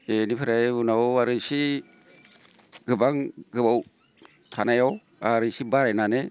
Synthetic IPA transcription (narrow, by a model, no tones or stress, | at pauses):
enipʰɯɾajunawaɾɯjsi | ɡɯbaŋɡɯbaw | tʰanajaw | aɾɯjsibaɾajnane